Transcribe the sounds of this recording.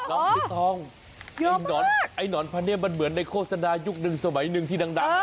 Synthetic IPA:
lɔ˧˨˧t̪ʰɔː˧ŋ˧ | i˧nɔː˨˦ʔa˧˩jnɔː˨˩˦npʰaː˧ni˧˥˩mːa˧nmɯ˩˦nːa˧jkʰoː˥˩t̚sa˧naː˧ju˦˥k̚nɯ˧ŋsa˧ma˨˩˦jnɯ˧ŋt̪ʰiː˧˩da˧ŋda˨˧

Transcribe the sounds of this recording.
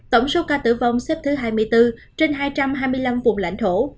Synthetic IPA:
t̪ə˧˩wŋ͡mso˨˦kaː˧t̪ɨ̰˧˩va˧wŋ͡msɛ˦˥p̚t̪ʰɨ˨˦ɦaː˧jmɨ˧əjt̪ɨ˧ | t͡ɕe˧nɦaː˧jt͡ɕa˧mɦaː˧jmɨ˧əjla˧mvʊ˨˩ŋ͡mla̰˧˥jŋ̟t̪ʰo˧˩

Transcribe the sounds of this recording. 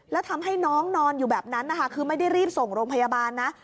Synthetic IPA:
lɛː˦˥wt̪ʰa˧mɦa˥˩jnɔː˦˥ŋnɔː˧njuː˨˩bɛː˨˩p̚na˦˥nːa˦˩kʰa˦˥˩kʰɯː˧ma˥˩jda˥˩jɾiː˥˩p̚so˨˩ŋɾoː˧ŋpʰa˧jaː˧baː˧nːa˦˥

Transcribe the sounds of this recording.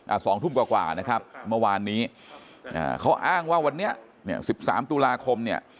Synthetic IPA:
ʔa̰ː˨˩sɔː˩˦ŋt̪ʰu˥˩mkwaː˨˩kwa̰ː˨˩na˦˥kʰa˦˥p̚mɯ˥˩waː˧nːiː˦˥ | ʔa̰ː˧˩kʰa˦˥wʔaː˥˩ŋwaː˥˩wa˧nːi˦˥ɐ | ni˥˩ɐsi˨˩p̚sa̰ː˩˦mt̪u˧laː˧kʰo˧mni˥˩ɐ

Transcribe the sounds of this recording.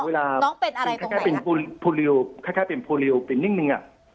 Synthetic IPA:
weː˧laː˧kʰa˥˩kaː˥˩pe˨npo˧lpʰoː˧li˧o˧kʰaː˥˩kʰaː˥˩pe˨npʰoː˧li˧o˧pe˨˩nːi˥˩ŋnɯ˧ŋʔa̰˨˩ʔ

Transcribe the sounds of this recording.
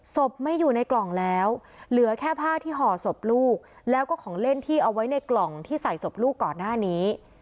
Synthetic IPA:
so˨˩p̚ma˥˩jːuː˨˩na˧jklɔ˨˩ŋlɛː˦˥w | lɯ˩˦ɐkʰɛː˥˩pʰaː˥˩t̪ʰiː˥˩ɦɔː˨˩so˨˩p̚luː˥˩k̚ | lɛː˦˥wkɔː˥˩kʰɔː˩˦ŋle˥˩nt̪ʰiː˥˩ʔa˧wa˦˥jna˧jklɔ˨˩ŋt̪ʰiː˥˩sa˨˩jso˨˩p̚luː˥˩kːɔː˨˩nːaː˥˩niː˦˥

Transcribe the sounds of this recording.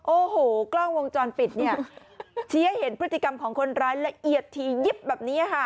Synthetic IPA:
ʔoː˧˩hoː˨˩klɔ˥˩ŋwo˧ŋt͡ɕɔː˧npi˨˩t̪̚ni˥˩ɐ | t͡ɕʰiː˦˥he˩˦npʰɯ˦˥t̪ːi˨ka˧mkʰɔː˩˦ŋkʰo˧nɾaː˦˥jla˦˥ʔi˨˩ət̪ʰːiː˧ji˦˥p̚bɛː˨˩p̚niː˦˥a˨˩kʰa˥˩

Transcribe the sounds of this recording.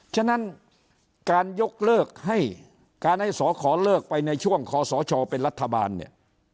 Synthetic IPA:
t͡ɕʰa˥˩na˦˥n | kaː˧njo˦˥k̚lɤː˥˩k̚ɦa˥˩j | kaː˧nha˥˩jsɔː˩˦kʰɔː˩˦lɤː˥˩k̚pa˧jna˧jt͡ɕʰu˥˩əŋkʰɔː˨˦sɔː˩˦t͡ɕʰɔː˧pe˧nɾa˦˥t̪ʰːa˧ba̰ː˧nːḭ˥˩

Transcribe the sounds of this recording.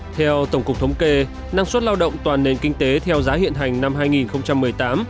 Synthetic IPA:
t̪ʰɛ˧wt̪ə˧˩wŋ͡mkʊ˨˩k͡p̚t̪ʰə˨˦wŋ͡mke˧ | na˧ŋswə˦˥t̚laː˧wɗə̰˧˨wŋ͡mt̪waː˨˩nːe˨˩˨nkï˧ŋ̟t̪e˨˦t̪ʰɛ˧wzaː˨˦hḭ˧˨ənɦa˨˩jŋ̟na˧mɦaː˧jŋi˨˩nxə˧wŋ͡mt͡ɕa˧mːɨ˨˩əjt̪aː˨˦m

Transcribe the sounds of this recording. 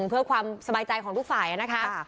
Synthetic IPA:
ŋpʰɯ˥˩ɐkʰwaː˧msa˧baː˧jt͡ɕa˧jkʰɔː˩˦ŋt̪ʰu˥˩kfaː˨˩jʔa˨˧˩na˦˥kʰa˦˥

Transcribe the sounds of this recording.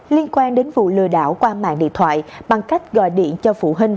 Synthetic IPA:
li˧ənkwaː˧nɗe˨˦nvṵ˧˨lɨ̰˧˨əɗa̰ː˧˩wkwaː˧ma̰ː˧˨nɗḭ˧˨ənt̪ʰwa̰ː˧˨jɓa˨˩ŋka˦˥jk̟̚ɣɔ̰˧˨jɗḭ˧˨ənt͡ɕɔ˧fṵ˧˩ɦï˧ŋ̟

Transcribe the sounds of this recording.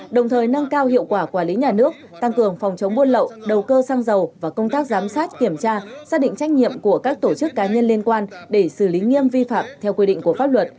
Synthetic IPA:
ɗə˨˩wŋ͡mt̪ʰəː˨˩jnə˧ŋkaː˧whḭ˧˨əwkwaː˧˩kwaː˧˩li˨˦ɲaː˨˩nɨ˦˥ək̚ | t̪a˧ŋkɨ˨˩əŋfɔ˨˩wŋ͡mt͡ɕə˨˦wŋ͡mɓu˧ənlə̰˧˨wɗə˨˩wkəː˧saː˧ŋzə˨˩wvaː˨˩kə˧wŋ͡mt̪aː˦˥k̚zaː˨˦msaː˦˥t̚ki˧˩əmt͡ɕaː˧saː˦˥ɗḭ˧˨ŋ̟t͡ɕa˦˥jk̟̚ɲḭ˧˨əmku˧˩əkaː˦˥k̚t̪o˧˩t͡ɕɨ˦˥kːaː˨˦ɲə˧nli˧ənkwaː˧nɗe˧˩sɨ˧˩li˨˦ŋi˧əmvi˧fa̰ː˧˨mt̪ʰɛ˧wkwi˧ɗḭ˧˨ŋ̟ku˧˩əfaː˦˥p̚lwə˨˩t̚

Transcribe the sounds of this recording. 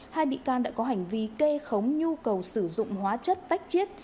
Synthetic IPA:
haː˧jɓḭ˧˨kaː˧nɗa̰ː˧˥kɔ˨˦ɦa˨˩jŋ̟vi˨˦ke˧xə˨˦wŋ͡mɲu˧kə˨˩wsɨ˧˩zʊ̰˧˨ŋ͡mhwaː˨˦t͡ɕə˦˥t̚t̪a˦˥jk̟̚t͡ɕi˦˥ət̚

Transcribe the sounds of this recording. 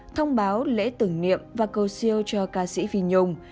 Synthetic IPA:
t̪ʰə˧wŋ͡mɓaː˨˦wlḛ˧˥t̪ɨ˧˩ŋnḭ˧˨əmvaː˨˩kə˨˩wsi˧əwt͡ɕɔ˧kaː˧sḭ˧˥vi˧ɲʊ˧ŋ͡m

